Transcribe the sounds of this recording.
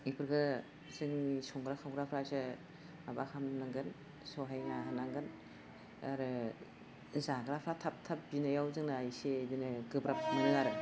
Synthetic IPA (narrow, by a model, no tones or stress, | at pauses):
ipʰɯɾɡɯ | zɯŋisɔŋɡɾakʰawɡɾapʰɾasɯ | abakʰamnaŋɡɯn | sɔɦajnaɦanaŋɡɯn | aɾɯ | zaɡɾapʰɾatʰap̚tʰap̚binajawzɯŋnajisedinɯɡɯbɾap̚nɯaɾɯ